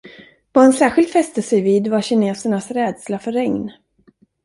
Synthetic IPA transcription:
vaɛnsæːɾɧɪlt̪fɛst̪əsɛjviːd̪vaɕɪneːsəɳasɾɛːd̪slafœɾɛŋn

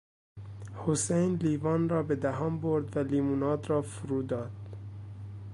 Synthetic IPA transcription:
hosejnliːvɒːnrɒːbed̪æɦɒːmboɾd̪væliːmunɒːd̪ɾɒːfuɾuːd̪ɒːd̪̥

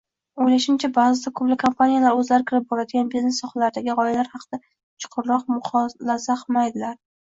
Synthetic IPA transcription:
ojlaʃɪmt͡ʃʰabaːzɪd̪akʰʊplɪkʰompʰanijalaɾɵzlaɾɪkʲʰɪɾɪp̚bɒɾad̪ɪɡʲanbiznesɒχalaɾd̪aɡʲɪʁɒjalaɾhɑqʰɨd̪a | t͡ʃʰʊ̥qʰʊɾɾɒqmʊχɒlasaqʰmajd̪ɪlaɾ

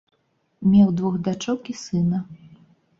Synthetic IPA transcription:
mʲɛwd̪vɔɣd̪at͡ʂɔwkʲisɨnɐ

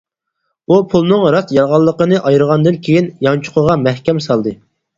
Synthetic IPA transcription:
upʰulˠnɨŋɾɑsjɑɾʁɑlˠːəqənɨʔɑjɾəʁɑnd̪ɨnkʲʰejinjɑnt͡ʃʰʊ̥qʰəʁɑmæhkʲɛmsɑlˠd̪ɨ

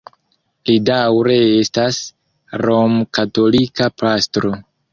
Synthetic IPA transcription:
lidawɾe̞estas | ɾomkato̞likapastɾo

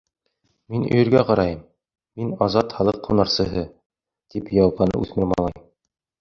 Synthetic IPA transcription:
minɵ̰̆jɵ̆ɾɡæqɑɾɑjɤmː | inɑzɑt̪χɑlˠɤqʰːunɑɾsɤ̆ɦɤ | t̪ipjɑwɑpɑnɤ̰ʉθmɘ̆ɾmɑ̰lˠɑjm

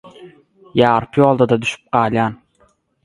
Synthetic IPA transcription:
jaɾpʰijɒlˠd̪ad̪ad̪ʊʃɪ̥p̚qʰɑlʲjan

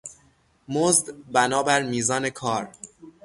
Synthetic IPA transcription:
mozd̪bænɒːbæɾmiːzɒːne̞kʰɒːɾ

